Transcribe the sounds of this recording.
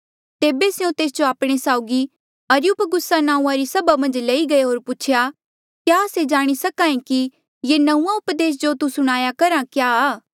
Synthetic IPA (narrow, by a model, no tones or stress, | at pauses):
t̪eːbesjõt̪eːs̬d͡ʒoaːpɽ̃esaːʊɡi | ɐɾjʊpɡʊsːanãːũãɾisɐbamɐ̃nd͡ʒlɐiɡɐeɦoːɾput͡ʃʰja | kjaːsed͡ʒaːɽ̃isɐkãːẽki | jenɐũːãʊpd̪eːs̬d͡ʒot̪usʊɽ̃aːjakɐɾãkjaː